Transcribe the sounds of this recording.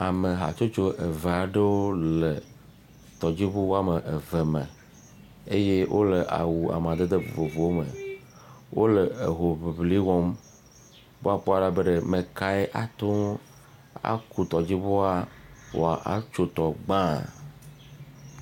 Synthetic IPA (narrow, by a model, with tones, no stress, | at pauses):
a˨me˨ɦa̰˨t͡ʃo˦t͡ʃo˦ʔe˨ve˨a˨ɖe˦wo˦le˨ | t̪ɔ˨d͡ʑi˦bu˦wo˦a˦me˨ʔe˨ve˨mḛ̃˨ | e˦je˦wʔo̰˦le˨ʔa̰˨wu˨a̰˨m˨ã˨d̪e˦d̪e˦vo̰˨vo˨vo˨wo˦mḛ˨ | wo˦le˨e˨ɦo˨βi˨bli˦wɔ˦m | bo˦a˨k͡po˦a˨la˦be˦ɖe˦mẽ˨ka˦e˦ʔa˨t̪o˦ | a̰˦ku˦t̪ɔ˨d͡ʑi˦bo˦a˦wo̰˨a̰˨ʔa̰˦t͡ʃo˦t̪ɔ˨ɡ͡bã˦˨